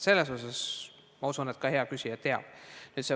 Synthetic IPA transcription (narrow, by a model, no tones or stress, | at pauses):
se̞lːesos̬ɑs | mɑusunet̪̚kɑhe̞ɑkysʲiɑt̪ːe̞ɑ̰b̥nyːt̪se